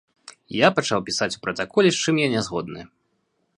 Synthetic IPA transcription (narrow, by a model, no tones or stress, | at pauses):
japɐt͡ʂawpʲisat͡sʲu̥pɾɐt̪akɔlʲist͡ʂɨmjanʲɛzɣɔd̪̚nɨ